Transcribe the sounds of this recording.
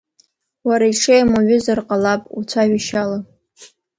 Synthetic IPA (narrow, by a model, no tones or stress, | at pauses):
waɾaiʈ͡ʂʰejamaɥʷʊzarqʼalapʼṵt͡sʷʰaʒʷaʃala